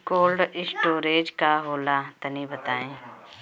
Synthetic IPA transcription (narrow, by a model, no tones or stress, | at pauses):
koːlɖɪsʈoːɾeːd͡ʒkaɦoːlat̪ɐnibət̪aːẽː